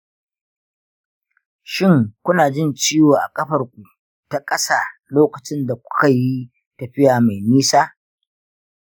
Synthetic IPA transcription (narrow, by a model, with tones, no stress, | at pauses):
ʃɪ˦ŋkʷʊ˦naː˨d͡ʒɪ˦nt͡ʃiː˦woː˨ʔa̰˨kʼɐ˦ɸɐ˨rkʷu˨ | ta˦kʼɐ˦saː˦˨loː˦kɐ˨t͡ʃɪ˦nda˨kʷʊ̥˦ka˨jjːi˦ | tɐ˨ɸɪ˦jaː˨ma˨jniː˦saː˦